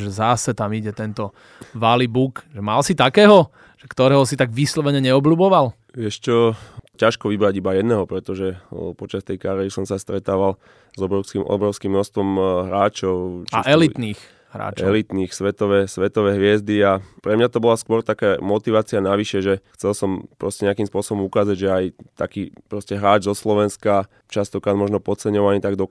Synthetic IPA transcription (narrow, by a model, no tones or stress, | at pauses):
ʒɛzasɛt̪amiɟɛt̪ɛnt̪ɔ | ʋalibukʒɛmalsit̪akɛːɦɔ | ʒ̥ɛkt̪ɔɾɛːɦɔsit̪aɡʋislɔʋɛɲɛɲɛɔbluːbɔʋal | ʋɪɛʃt͡ʃɔcaʃkɔʋibɾaɟibajɛd̪nɛɦɔpɾɛt̪ɔʒɛpɔt͡ʃast̪ɛjkaɾiɛɾisɔmsast̪ɾɛt̪aːʋal | zɔbɾɔʊskimɔ̰bɾɔʊskimnɔst̪ʋɔmɦɾaːt͡ʃɔʊt͡ʃaɛliniːx | ɦɾa̰ːt͡ʃɛlit̪niːxsʋɛt̪ɔʋɛsʋɛt̪ɔʋɛɦʋɪɛzd̪iapɾɛmɲat̪ɔbɔlaskʊɔɾt̪akaːmɔt̪iʋaːt͡sianaʋiʃɛʒɛxt͡sɛlsɔmpɾɔscɛɲɛakimspʊɔsɔbɔmukaːzaɟʒɛajt̪akiːpɾɔscɛɦɾaːd͡ʒzɔslɔʋɛnska | t͡ʃast̪ɔkɾaːd̪mɔʒnɔpɔt͡sɛɲɔʋaɲit̪aɡd̪ɔ